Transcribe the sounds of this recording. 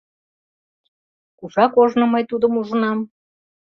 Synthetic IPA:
kuʒɑkoʒnŏmɤjt̪ud̪əmuʒə̆nɑm

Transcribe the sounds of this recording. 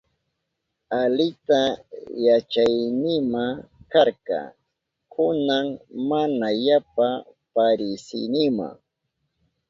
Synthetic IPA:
alɪt̪ajat͡ʃajnɪmakaɾkɑ̰ | kʰʊnaŋmanajapa | paɾɪsɪ̰nɪma̰ŋ

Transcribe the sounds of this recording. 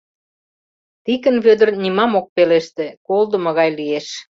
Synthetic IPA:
t̪ikə̆nβød̪ə̆rnimɑmok̚peleʃt̪ĕkold̪ə̆mŏɣɑjlieʃ

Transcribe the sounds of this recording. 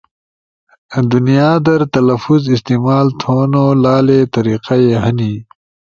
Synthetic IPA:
d̪unijaːd̪ɐɾt̪ɐlɐfuzist̪iːmaːlt̪ʰoːnolaːlet̪ɐɾiːqajeɦɐni

